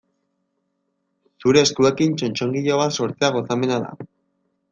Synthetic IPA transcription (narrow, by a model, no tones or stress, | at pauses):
suɾe̞ːskue̞kint͡ʃo̞nt͡ʃo̞ŋɡiʎo̞βat̪so̞ɾt͡seaɣ̞o̞same̞naða̰